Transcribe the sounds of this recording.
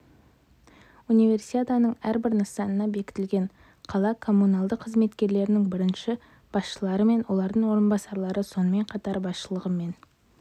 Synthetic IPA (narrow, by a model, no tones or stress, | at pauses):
unijve̞rsit̪ʲet̪ɑnəɴæɾbɪɾnəsɑnənɑbe̞kʲɪ̥t̪ɪlɡʲe̞ɴ | qʰɑlˠɑkʰo̞mːunɑlˠd̪əqʰːəzme̞t̪kʲe̞ɾle̞ɾɪnɪŋbɪɾɪnʃɪ | b̥ɑsʃəlˠɑɾəme̞nwo̞lˠɑɾd̪əɴwo̞ɾənbɑsɑɾlˠɑɾəso̞nəme̞ɴqʰɑt̪ɑɾbɑsʃəlˠəʁəme̞n